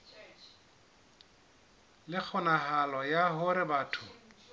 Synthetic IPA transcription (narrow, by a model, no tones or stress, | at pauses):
lɪk͡xʰʊnahalɔjaɦʊɾɪbaːtʰʊ